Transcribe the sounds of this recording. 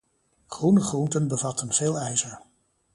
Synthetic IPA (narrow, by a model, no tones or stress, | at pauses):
χrunəχruntənbəvɑtənvɪːlˠɛjzəɹ